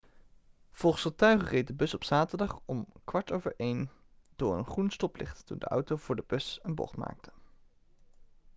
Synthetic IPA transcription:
v̥ɔlˠχənsχətœɥχərejt̚dəbɵsɔpsaːtəɹdɑχɔmkʋɑɹtowvəɹʔejn | d̥ʊːɹə̰nχrunstɔplɪ̰χttundə̰ʔʌ̰wtowv̥ʊːɹdəb̥ɵsənbɔ̰χtma̰ːk̚tʰə

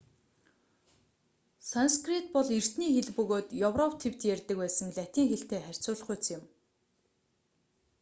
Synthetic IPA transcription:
sanskrit̪̚pɔɮer̥t̪niːxeɮpɵɣoːt̪jɵwrɔpt̪ʰew̥t̪jærʲt̪ə̆k̚pæːsə̆ŋɮæt̪iːŋxeɬt̪eːχær̥ʲt͡sʊːɮ̆χʊjʰt͡sjɪ̆m

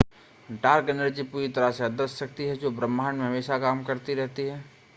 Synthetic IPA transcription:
ɖaːɾkenəɾd͡ʒipuːɾit̪ɐɾaseɐd̪əsːɐk̚t̪iɦɛd͡ʒoːbɾə̃mːaːnmẽɦmeːʃakaːmkɐɾt̪iɾɛɦt̪iɦɛː

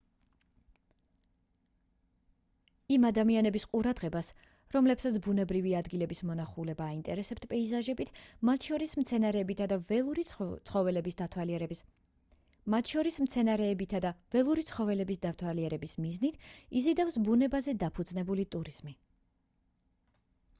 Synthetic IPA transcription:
imad̪amianɛbisqʼuɾad̪ʁɛbas | ɾɔmlɛbsat̪sʰbunɛbɾiviad̪ɡilɛbismɔnaχulɛbaːint̪ʼɛ̰ɾɛsɛpt̪ʰpʼɛizaʒɛbit̪ʰmat̪ʰʃɔɾismt̪sʰɛnaɾɛːbit̪ʰad̪avɛɾit̪sʰχɔvɛlɛbisd̪at̪ʰwaliɛɾɛ | mat̪ʰʃɔɾismt̪sʰɛnaɾɛbit̪ʰad̪av̥ɛlˠuɾit̪sʰχɔvɛlɛbisd̪aft̪ʰwaliɛɾɛbismiznit̪ʰizid̪afsbunɛbazɛd̪apʰud̪znɛbulit̪ʼuɾiz̥mi

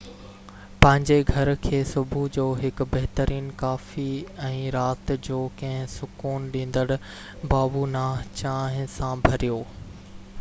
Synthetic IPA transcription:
pɐ̃ɦɪ̃ɲd͡ʑeɡʱɐɾkʰeːsʊbʱud͡ʑoːɦɪkʊbɐɦɪt̪əɾʔiːnkaːfiɛ̃ːɾaːt̪d͡ʑoːkɐ̃ɦɪ̃sʊkuːnɗĩːn̆d̪əɽʊ | baːbunaːɦt͡ɕaːɦɪ̃sãbʱɐɾijoː

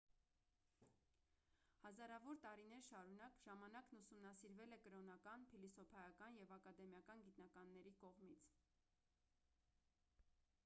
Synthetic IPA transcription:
hɑzɑɾɑvɔɾt̪ɑɾin̪ɛɾʃɑɾunɑkʒ̥ɑmɑnɑknusumnɑsiɾvɛlɛkəɾɔnɑkɑnpʰilisɔpʰɑjɑkɑnjɛvɑkɑd̪ɛmjɑkɑnɡit̪nɑkɑnːɛɾikɔʁmit͡sʰ

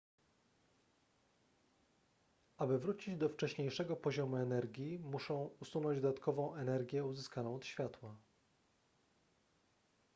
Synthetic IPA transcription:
abɘvɾut͡ɕid͡ʑd̪ɔft͡ʂɛɕɲejʂɛɡɔpɔʑɔmuɛnɛɾɡʲimuʂɔ̃w̃usunɔ̃ɲd͡ʑd̪ɔd̪at̪̚kʰɔvɔ̃w̃ʔɛnɛɾɡʲjɛuzɘskanɔ̃w̃ɔt̪ɕfʲjat̪wa

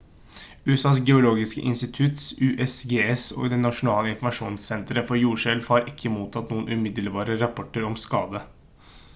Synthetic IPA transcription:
ʉɛsɑːsɡɛʊloːɡɪskə̰ʔɪnst̪ɪt̪ʰʉt̪sʉːʔɛsɡeːɛso̰ːɡd̪ɛnɑʂʊnɑːləɪnfɔmɑʂuːnsːɛnt̪ɾəfɔɾjuːʂɛlfhɑɾɪkʰːəmuːt̪ʰɑt̪nuːənʔʉmɪd̪əlbɑːɾəɾɑpʰɔʈːəɾɔmskɑːd̪ə

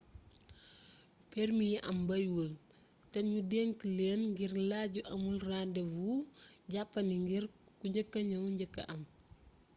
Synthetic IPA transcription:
pɛrmijɛʔɐmbɐjwul | tɛnɲudɛŋkileːnŋɡirlaɟuʔɐmulrandɛvuɟapːɐniŋɡirkuɲɟəkːɐɲɐwɲɟɐkːɐ̰ʔɐm

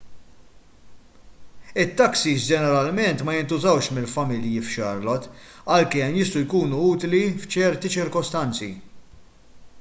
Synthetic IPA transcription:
ɪt̪ːɐksisd͡ʒɛnɛɾɐlmɛnt̪mɐjɪnt̪ʊzɐwʃmɪlfɐmɪljifʃɐɾlɔt̪ | ɐlkɛmjɪst̪ujkuːnuuːt̪lift͡ʃɛɾt̪it͡ʃɪɾkɔst̪ɐnt͡sḭ

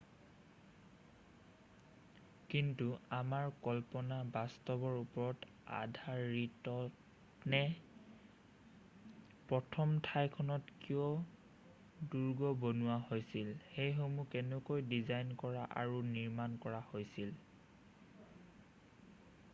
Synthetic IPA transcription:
kintuamaɹkɔlpɔnabastɔbɔɹupɔɹɔt | a̰dʱaɹitɔ | nɛ | pɹɔtʰɔmtʰajkʰɔnɔtkijɔ | duɹɡɔbonuwaɦojsilxejxomukɛnɛkojdizajnkɔɹaʔa̰ɹuniɹmankɔɹahojsil

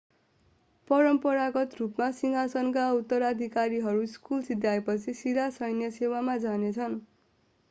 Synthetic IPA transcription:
pʌɾʌmpʌɾaɡʌt̪rupmasiŋɦasʌnkaut̪ːʌɾad̪ʱikaɾiɦʌɾuskulsid̪ʱjajpʌt͡sʰisiɾasʌjnjʌsewamad͡zanet͡sʰʌn

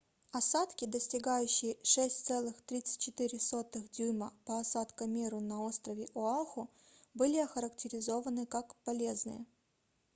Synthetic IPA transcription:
ɐsat̪kʲɪd̪əsʲtʲɪɡajʉɕːɪjəʂɛsʲtʲt̪sɛlˠɨxt̪ɾʲit̪sɨ̥tʲt͡ɕːɪt̪ɨɾʲɪso̞t̪ɨxd̪ʲuməpəɐsat̪kɐmʲeɾʊnɐo̞st̪ɾəvʲɪʔʊalˠxʊ | bɨlʲɪɐxəɾəktʲɪɾʲɪzo̞vənɨkakpɐlʲeznɨ̰jə̰

